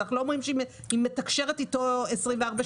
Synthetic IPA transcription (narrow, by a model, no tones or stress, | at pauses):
aχnulomʁimʃe | imːetakʃe̞ʁetitoesʁimveaʁba